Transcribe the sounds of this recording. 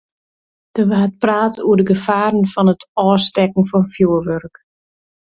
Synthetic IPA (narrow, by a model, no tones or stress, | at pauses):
d̥əʋaːt̚praːtuədəɡəfaːɾənfɔnətʰɔːstɛkn̩fɔnfjuəʋørk